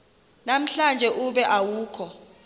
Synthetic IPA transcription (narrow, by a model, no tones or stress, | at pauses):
nam̩ɬand͡ʒʱɛʔuɓɛʔawuːkʰɔ